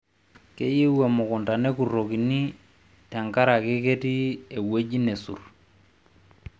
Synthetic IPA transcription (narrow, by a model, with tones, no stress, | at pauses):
ke˦ji˦we˨mʊ˨kʊ˨nta˨ne˦ku˨ro˨ki˨ni˦ | tɛ˨ŋka˦ɾa˨kɪ˦ke˦ti˦e˨we˦d͡ʒi˦ne˨sṵ˨r